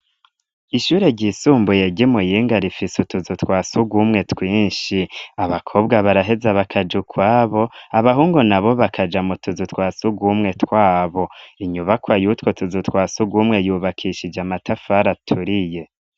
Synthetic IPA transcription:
iʃuːɾe̞ɟisuːmbuje̞ɟimujiːŋɡaɾifisutuzutkwaːsuɡwumŋe̞twiːɲʃiaβakʰo̞bɡaβaɾaɦe̞zaβakʰad͡ʒukʰwaːβo̞aβaɦuːŋɡunaβo̞βakʰad͡ʒamutuzutwaːsuɡwumŋe̞twaːβo̞iɲuβakwajuːtwo̞tuzutwaːsuɡwumŋe̞juːβakʰiʃid͡ʒamatʰafaɾatʰuɾije̞

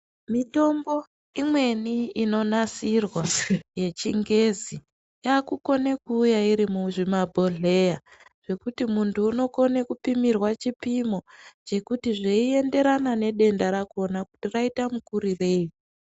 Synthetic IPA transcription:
mito̞mbo̞ | imwe̞niino̞nasirwaje̞t͡ʃiŋɡe̞zi | jakuko̞nekuːjaiɾimuʐimabʱo̞ɮe̞jaʐ̥e̞kutimuntʰuːno̞ko̞ne̞kupimirwat͡ʃipimo̞t͡ʃe̞kutiʐeie̞nde̞ɾanane̞ɗe̞ndaɾakuonaku̥tiraitamukuɾire̞ːi

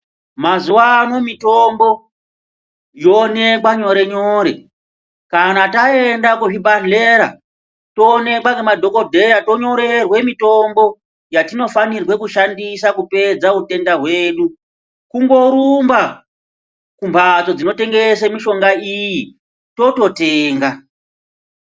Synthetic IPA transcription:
mazuwano̞mito̞mbo̞ | jo̞ne̞kwaɲo̞ɾe̞ɲoːɾe̞̰ | kanataendakuʐibʱaɬeɾa̰ | to̞ne̞kwakemadʱo̞kodʱe̞ɾato̞ɲo̞ɾe̞rwe̞mito̞mbo̞ | jatino̞fanirwe̞kuʃandisakupe̞d͡zaute̞ndaɦweːɗu | kuŋɡo̞ɾumba | kumbʱat͡so̞d͡zino̞te̞ŋɡe̞semiʃo̞ŋɡaiji | to̞to̞teːŋɡa

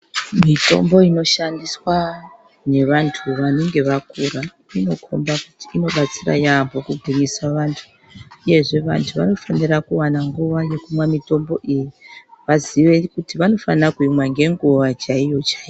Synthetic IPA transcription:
mito̞̰mbo̞ino̞ʃandiswa | ne̞ʋantʰuʋane̞ŋɡe̞ʋakuɾa | ino̞kʰo̰mbakutiino̞ɓat͡sira̰jambʱo̞kuɡʱiɲisaʋaːntʰu̥ | uje̞ʐe̞ʋa̰ntʰuʋa̰no̞fanirakuwanaŋɡuʋaje̞kumwamito̞mbo̞̰ʔijiʋaziʋe̞kutiʋano̞fanakuimwaŋɡe̞ŋɡuʋat͡ʃaijo̞t͡ʃai

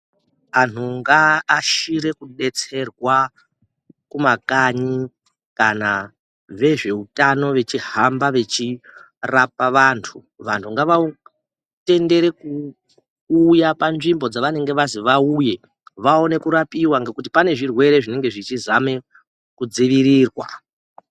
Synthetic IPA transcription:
an̤uŋɡaːʃiɾe̞kuɗe̞t͡se̞rwa | kumakaɲi | kana | ʋe̞ʐe̞utano̞ʋe̞t͡ʃiɦambaʋe̞t͡ʃi | rapaʋantʰu | ʋantʰuŋɡaʋa | te̞nde̞ɾe̞kuː | japanʐimbo̞d͡zaʋane̞ŋɡe̞ʋaziʋauje̞ | ʋao̞ne̞kuɾapiwaŋɡe̞kut̬ipane̞ʐirwe̞ɾe̞ʐine̞ŋɡe̞ʐit͡ʃizame̞ | kud͡ziʋiɾiːrwa̰

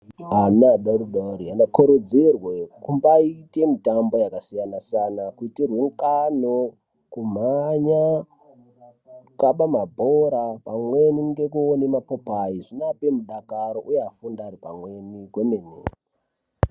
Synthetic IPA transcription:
amaɗaruɗaɾianakuɾud͡zirwekumbaite̞mitambo̞jakasijanasanakuitirwe̞ŋkano | kum̤aɲa | kaɓamabʱoɾapamwe̞niŋɡe̞kuonemapopaiʐinape̞muɗakaɾoʔujeafundaːɾipamwe̞nikwe̞menḛːri

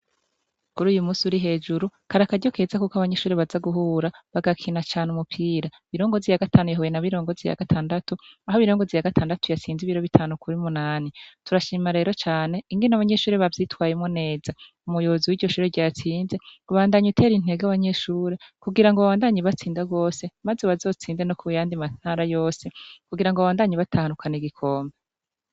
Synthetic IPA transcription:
kuɾuːjumuːsiuɾiɦe̞ːd͡ʒuɾukaɾakaɟo̞kezakukaβaɲe̞ʃuːɾeβazaɡuɦuːɾaβaɡakʰinat͡ʃaːnumupʰiːɾa | βiɾoːŋɡo̞zijaɡataːnujaɦojenaβiɾo̞ːŋɡozija̰ɡatʰaːndatuaɦoβiɾoːŋɡo̞zijaɡatʰaːndatujat͡siːnziβiɾo̞βitʰaːnukuɾiumunaːnituɾaʃiːmaɾe̞ːɾo̞t͡ʃaːneiŋɡe̞naβaɲe̞ʃuːɾeβavjitwaːjemŋone̞ːza | umujo̞βoziwiːɾɟo̞ʃuːɾeɟaːt͡siːnzeuβaːndaɲutʰe̞ːɾin̥e̞ɡaβaɲe̞ʃuːɾekuɡiɾaŋɡoβaβaːndaɲiβat͡siːndaɡo̞ːse̞mazeβazo̞ːt͡siːnze̞nokʰujaːndiman̥haːɾajo̞ːse̞kuɡiɾaŋɡoβaβaːndaɲiβatʰahanukaniɡikʰo̞ːmbe

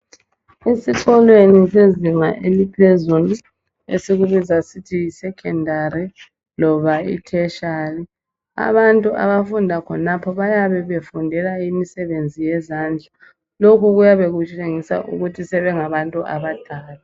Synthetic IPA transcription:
esiǀɔlwenisezimaʔelipʰezulu | ḛsiɣuβizasitʰiːsɛkʰɛndʱaɾi | lɔβaḭtʰɛʃali | a̰βantʼuʔa̰βafundʱakʰɔnapʰɔβajaβɛβefundʱɛlaimisɛβend͡zʱijɛzand͡ɮʱa | lokuɣujaβeɣut͡ʃʼeŋisa̰ʔṵɣutʰisɛβɛŋaβantʼuʔa̰βad̥ʱaːla

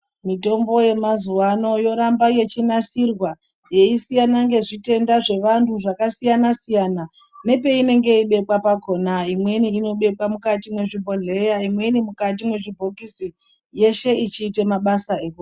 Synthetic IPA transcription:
mito̞mbo̞je̞mazuwano̞jo̞ɾambaje̞t͡ʃinasirwa | je̞isijanaŋɡe̞ʐite̞ndaʐe̞ʋantʰuʐakasijanasijana | ne̞pe̞ine̞ŋɡe̞iɓe̞kwapako̞naimwe̞niːno̞ɓe̞kwamukatimwe̞ʐibʱoɮe̞jaimwe̞nimukat̬imwe̞ʐibʱo̞kisi | je̞ʃe̞it͡ʃiːtemaɓasaeːko

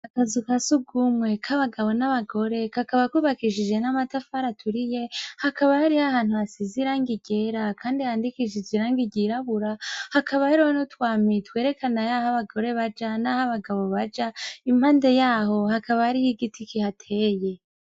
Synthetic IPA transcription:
akazukasuɡumwe̞kʰaβaɡaβo̞naβaɡo̞ɾe̞kakaβakuβakiʃid͡ʒe̞namatafaɾatʰuɾije̞hakaβahaɾihahaːn̥huhasiziɾaːŋɡiɟe̞ɾakʰaːndihaːndikiʒiziɾaːŋɡiɟiɾaβuɾahakʰaβaheɾohanotwaːmitwe̞ːɾe̞kʰanajahaβaɡo̞ɾe̞βad͡ʒanahaβaɡaβo̞βad͡ʒaim̥haːnde̞jaːho̞hakaβahaɾihiɡitʰikihatʰe̞ːje̞

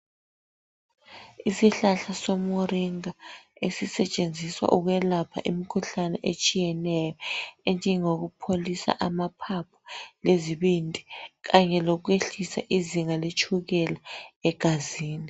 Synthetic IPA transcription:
isiɬaɬasomoɾiŋaesisɛt͡ʃʼend͡zʱiswa̰ʔuɣwɛlapʰa̰ʔimikʰuɬanɛʔet͡ʃʼijɛnɛjɔɛnd͡ʒʱɛŋoɣ̬upʰolisa̰ʔamapʰapʰɔ̥leziɓintʼiɣaɲɛlɔk̬weɬisa̰ʔiziŋalet͡ʃʼʰuɣɛlaɛɡ̥ʱaziːni

